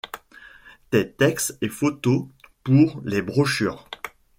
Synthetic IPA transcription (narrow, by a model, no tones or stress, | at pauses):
t̪ɛt̪ɛksefot̪opuʁlebʁɔʃy̰ːʁ